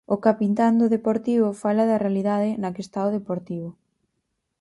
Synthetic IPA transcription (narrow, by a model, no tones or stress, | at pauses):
ʊkapint̪and̪ʊðepoɾt̪iβʊfalɐðɐrealiðaðɪnɐkest̪aoðepoɾt̪iβʊ